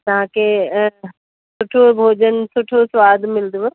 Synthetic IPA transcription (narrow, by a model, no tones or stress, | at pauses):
t̪ɐʋãkʰe | sʊʈʰobʱoːd͡ʑənsʊʈʰosʋaːd̪ʱmɪld̪u